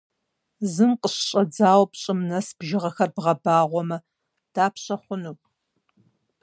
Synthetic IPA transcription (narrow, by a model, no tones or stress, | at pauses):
zɨmqʼəɕɕʼɐd͡zaːwpɕʼɪmnɐsb̥ʒɪʁɐxɐrbʁɐbaːʁʷɔmɐ | d̥aːpʰɕʼɐχʷʊnuː